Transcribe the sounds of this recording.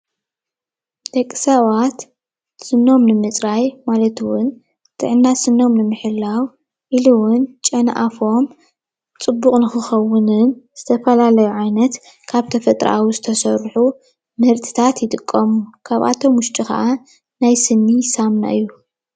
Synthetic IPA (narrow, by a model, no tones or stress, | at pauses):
d̪̥ɐkʼːɨsawat̪ | sɨnːo̞mnɨmɨt͡sʼɾajmalɐt̪wʊn | t̪ʰʼɨ̰ʕɨnːasɨnːo̞mnɨmɨħɨlːaw | ʔiluwʊnt͡ʃʼɐnʔafo̞m | t͡sʼɨbːuqʼnɨxɨxɐwʊnɨnz̥ɨt̪ʰɐfɐlalɐjuʕajnɐt̪ | kʰaβt̪ʰɐfɐt̪ʼɾa̰ʔa̰wizɨt̪ʰɐsɐɾħu | mɐɾt̪ʰʼɨ̥t̪ʰat̪jɪt̪ʼɨkʼːɐmukʰaβa̰t̪ʰo̞mwʊʃt̪ʼikɐ̰ʔa | najsɨnːisamna̰ʔɨjːu